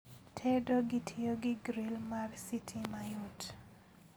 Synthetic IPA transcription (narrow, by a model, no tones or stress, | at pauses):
tʰɛdoɡɪtʰɪoɡɪɡɾilmarsitʰimajut